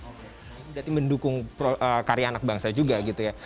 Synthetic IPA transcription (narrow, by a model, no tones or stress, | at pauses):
bdat̪iməndukʊŋpɾoʔəkaɾianak̚baŋsad͡ʒuɡaɡit̪uja